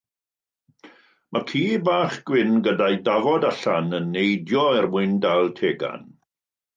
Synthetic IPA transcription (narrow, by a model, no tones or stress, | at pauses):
makʰiːbaːχɡ̥wɪnɡədajdavɔdaɬanənːejdjɔɛrwɪndalˠtʰeːɡa̰n